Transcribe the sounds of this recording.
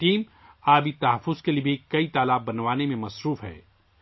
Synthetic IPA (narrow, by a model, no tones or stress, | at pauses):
ʈiːm | aːbʱit̪ɐɦəfːʊzkeliebʱekɐit̪aːlaːb̚bɐnʋaːnemẽmɐsɾuːfɦɛ̰ː